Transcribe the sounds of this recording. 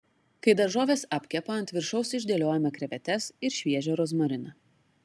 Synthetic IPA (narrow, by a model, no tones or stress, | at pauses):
kɐɪd̪ɐɾʒoːʋʲeːsɐpʲkʲɛpɐɐnʲt̪ʲʋʲɪɾʃɒʊsɪʒʲd̪ʲeːlʲoːjɛmʲɛkɾʲɛʋʲɛt̪ʲɛsɪɾʃʲʋʲiɛʒʲoːɾoːs̬mɔɾʲɪnɐ